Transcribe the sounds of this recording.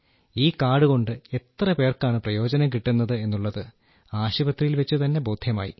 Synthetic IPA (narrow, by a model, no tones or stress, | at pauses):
iːkaːɽuɣo̞ɳɖɨe̞t̪rɐpe̞ːrkaːɳɨprɐjo̞ːd͡ʑɐnɐmkiʈːunːɐðɨe̞nːuɭːɐðɨ | aːɕibɐt̪rijilʋɐt͡ɕːut̪ɐnːe̞bo̞ːd̪ʱjɐma̰ːjḭ